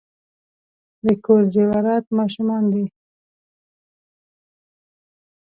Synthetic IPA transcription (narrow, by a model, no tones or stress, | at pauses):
d̪əkoɾd͡ʒewaɾɑt̪mɑʃumɑnd̪i